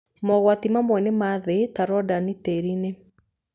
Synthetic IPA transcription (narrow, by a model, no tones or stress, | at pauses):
mɔɣwatimamwɛnemaðetaɾɔdaniteɾine